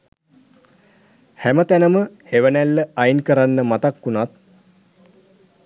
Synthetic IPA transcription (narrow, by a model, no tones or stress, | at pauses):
hæmət̪ænəməheʋənælːəajnkəɾanːəmat̪akːunat̪̚